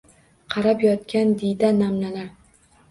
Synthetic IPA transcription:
qʰɑɾapjɒt̪̚kʲand̪ejd̪anamnalaɾ

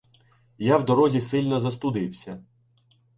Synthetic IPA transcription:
jawd̪ɔɾɔzʲisɪlʲnɔzɐst̪ʊd̪ɪwsʲɐ

